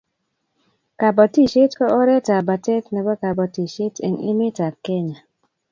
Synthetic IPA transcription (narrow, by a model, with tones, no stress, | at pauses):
ka˨bɔ˨ti˦ʃe˦tkɔ˦ʔɔ˦ɾɛ˦ta˨ba˨tɛ˦tnɛ˨bɔ˦ka˨bɔ˨ti˨ʃe˦tḭ˨nḭ˦mi˦ta˨kɛ˦ɲa˨